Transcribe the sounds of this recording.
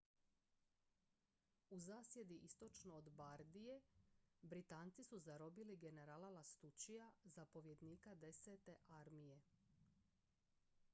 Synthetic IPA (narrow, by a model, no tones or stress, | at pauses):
uzaːsje̞d̪iʔist̪o̞t͡ʃnoːd̪baɾd̪ijebɾit̪aːnt̪sisuzaɾo̞biliɡe̞neɾaːlalast̪ut͡ʃijazapo̞ʋje̞d̪niːkad̪e̞set̪e̞ʔaɾmije̞